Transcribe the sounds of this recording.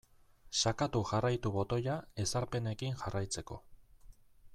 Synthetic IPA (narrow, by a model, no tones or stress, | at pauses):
sakat̪uʝarajt̪uβo̞t̪o̞jae̞saɾpe̞ne̞kinʝarajt͡se̞ko̞̰